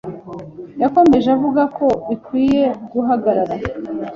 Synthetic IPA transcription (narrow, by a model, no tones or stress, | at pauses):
jako̞me̞ʒavuɡako̞βikwiːje̞ɡuɦaɡaɾaɾa